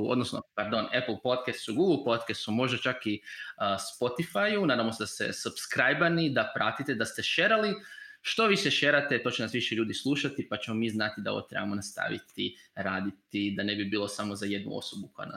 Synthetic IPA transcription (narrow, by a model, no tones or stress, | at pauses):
od̪nosno̰paɾd̪o̞nepl̩ˠpot̪kɛst̪suɡuɡl̩ˠpo̞t̪kɛst̪sumo̞ʒd̪at͡ʃakiəspo̞t̪ifajunaːd̪amo̞se̞d̪ast̪ḛsupskɾajbanid̪apɾat̪it̪e̞d̪ast̪e̞ʃeɾaliʃt̪o̞ʋiseʃeɾat̪e̞t̪o̞ːt͡ɕenasʋiʃeʎuːd̪islˠuʃat̪ipat͡ɕe̞mo̞miːznat̪id̪ao̰o̰t̪ɾebamo̞nast̪a̰ʋḭt̪iɾaːd̪it̪id̪ane̞bibiːlˠo̞samozaje̞d̪nṵo̞̰so̞bukoja̰na̰